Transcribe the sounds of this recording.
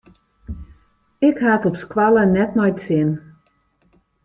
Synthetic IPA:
ɪkhatɔpskwalənɛtmɔjtsɪn

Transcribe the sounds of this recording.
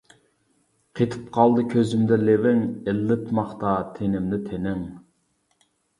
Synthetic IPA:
qʰet̪ʰɨ̥p̚qʰɑlˠd̪ɨkʲʰøzymd̪ɛlevɪŋelːɪt̪mɑχt̪ɑt̪ʰenɪmd̪ɪt̪ʰenɪŋ

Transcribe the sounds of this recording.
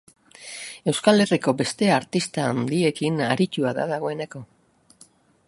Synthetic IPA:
e̞wskale̞riko̞be̞st̪e̞aɾt̪ist̪aːnd̪ie̞kinaɾit̪uaða̰ðaɣ̞o̞e̞ne̞ko̞

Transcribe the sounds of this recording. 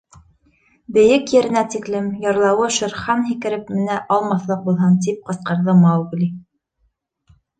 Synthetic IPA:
bɘ̆jɘkjɘ̆ɾɘ̆næt̪iklɘmjɑɾlˠɑwɤʃɘ̆ɾχɑnɦikɘ̆ɾɘp̚mɘ̆næʔɑlˠmɑθlˠɤq̚bulˠɦɤnt̪̬ip̚qɤ̆sqɑ̆ɾðɤmɑwɡ̆lʲi

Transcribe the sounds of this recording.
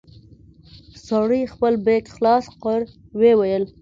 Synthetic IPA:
saɽixpəlbekxlɑsqəɾ | wewajəl

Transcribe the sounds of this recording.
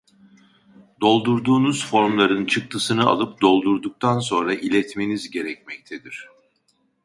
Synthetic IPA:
d̪o̞lˠd̪uɾd̪uːnuz̥fo̞ɾmlˠaɾɯnt͡ʃʰɯk̚t̪ʰɯsɯnɯa̰lˠɯp̚d̪o̞lˠd̪uɾd̪uk̚t̪ʰanso̞nɾaʔilʲɛt̪me̞nizɟe̞ɾɛcmɛc̚t̪ʰɛd̪iɾ̝̥

